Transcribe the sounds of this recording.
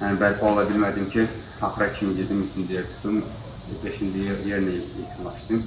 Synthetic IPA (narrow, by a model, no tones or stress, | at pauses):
mɛnbælʲkʰɑlˠɑbilmæd̪imcʰi | hɑχɾɑkʲʰimiɟ̪ed̪imit͡ʃʰind͡ʒijeɾt̪ʰu̥t̪um | beʃind͡ʒijeɾjeɾnɪḛt̪ʰinlˠɑʃt̪ɨm